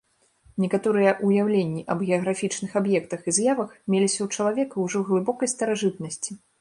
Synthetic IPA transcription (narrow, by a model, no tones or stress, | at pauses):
nʲɛkat̪ɔɾɨjɛʔujawlʲenʲːiʔɐbɣʲɛɐɣɾafʲit͡ʂnɨxabjɛkt̪ɐxizjavɐxmʲelʲisʲɐwt͡ʂɐlˠavʲɛkɐwʐɔɣlˠɨbɔkɐjst̪ɐɾaʐɨt̪nɐsʲt͡sʲi̥